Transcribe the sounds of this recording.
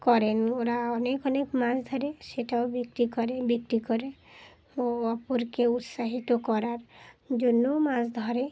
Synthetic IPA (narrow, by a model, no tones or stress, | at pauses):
kɔɾenoɾaɔnekɔnekmãsd̪ʱɔɾeseʈaobik̚tikɔɾebiktikɔɾe | ɔpoɾkeut̪saɦit̪okɔɾaɾd͡ʒonːomãsd̪ʱɔɾe